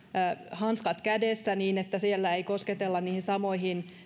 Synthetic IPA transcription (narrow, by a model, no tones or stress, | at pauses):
hɑnskɑt̪kædesːæniːnet̪ːæsielːæeikosket̪elːɑniːhinsɑmoihin